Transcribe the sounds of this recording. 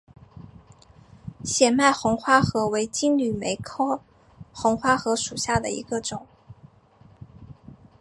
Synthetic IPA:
ɕjɛ˨˩ma˥˩ɪxʊ˧˥ŋxwa˥xɤ˧˥we˧˥ɪt͡ɕi˥ŋly˨˩me˧˥ɪkʰɤ˥ʊ | xʊ˧˥ŋxwa˥xɤ˧˥ʂu˨˩ɕja˥˩d̪ə̰˩ḭ˧˥ɡə˧ʈ͡ʂʊ˨˩˦ŋ

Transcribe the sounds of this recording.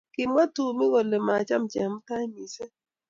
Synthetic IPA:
ki˨mʷa˦tu˨mu˦ɣɔ˨le˨ma˨t͡ʃa˦mt͡ʃɛ˨˦m˦ka˦i˦mi˨se˦

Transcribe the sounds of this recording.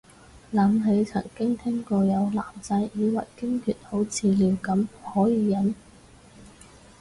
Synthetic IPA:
laː˨mɦe˨˧˥jt͡sʰɐ̰˨˩ŋkɪ˥ŋt̪ʰɛ˥ŋkɔː˧jɐ˨˧wla̰ː˨˩mt͡sɐ˧jiː˨˧wɐ̰˨˩jkɪ˥ŋkʰyː˨˩t̚ho˨˥wt͡sʰiː˧liː˨˧wkɐ˨˥mhɔː˨˥jiː˨˧jɐ˨˥n

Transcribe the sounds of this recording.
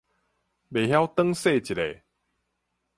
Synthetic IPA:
be˨˩ɦja˦wt̪ə˦ŋse˥˧˨t͡ɕi˨˩le˨

